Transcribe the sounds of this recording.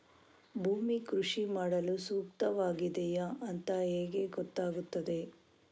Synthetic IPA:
bʱuːmikɾuʂimaːɽɐlusuːk̚t̪ɐʋaːɡid̪ɛjɐʔɐnt̪ɐɦeːɡe̞ɡɔt̪ːaːɡut̪ːɐd̪e̞

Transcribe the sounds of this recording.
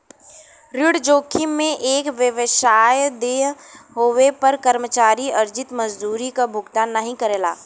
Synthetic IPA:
ɾɪɽd͡ʒoːkʰimẽʔeːkʋjəʋɪʃaːjd̪eːɦɦoːʋepɐɾkɐɾmət͡ʃaːɾiɐɾd͡ʒɪt̪mɐd͡ʒd̪uːɾikabʱʊɡt̪anːɐɦĩkɐɾeːla̰ː

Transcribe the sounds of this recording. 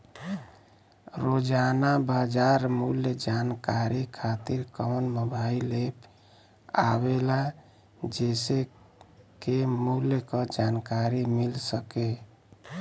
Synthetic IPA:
ɾod͡ʒanabad͡ʒaɾmuljd͡ʒankaɾikʰat̪iɾkɔnməbʱailep | a̰bela | d͡ʒese | kemuljkəd͡ʒankaɾimilsəke

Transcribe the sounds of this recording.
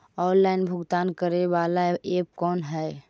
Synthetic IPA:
ɔːnlaɪnbʱʊɡt̪aːnkəɾeʋaːlaeːp̚kɔːnɦɛj

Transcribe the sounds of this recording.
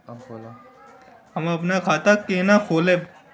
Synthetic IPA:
hɐmɐpnakʰaːt̪akeːnakʰoːleː

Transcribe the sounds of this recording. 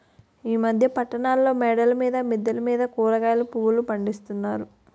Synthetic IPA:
iːmɐd̪ʱjɐpɐʈːɐɳaːlːo̞ːmɛːɖɐlɐmiːd̪ɐmid̪jɐlɐmiːd̪ɐkuːlɐɡaːjlupuʋulupɐɳɖist̪unːaːɾu

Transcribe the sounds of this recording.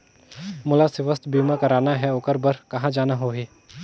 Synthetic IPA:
mʊlasɪʋəst̪biːmakɐɾaːnaɦɛʊkəɾbəɾkɐɦãd͡ʒaːnaɦoːɦeː

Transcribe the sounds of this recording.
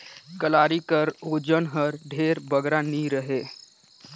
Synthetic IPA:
kəlaːɾikəɾoːd͡ʒənɦəɾɖʱeːɾbəɡɾaniɾəɦeː

